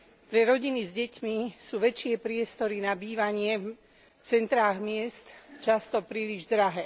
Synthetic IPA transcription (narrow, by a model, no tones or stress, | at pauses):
pɾɛɾɔɟinizɟɛcmisuːʋɛt͡ʃɪɛpɾɪɛst̪ɔɾinabiːʋaɲɪɛ | ft͡sɛnt̪ɾaːɣmɪɛst̪t͡ʃast̪ɔpɾiːliʒd̪ɾaɦɛː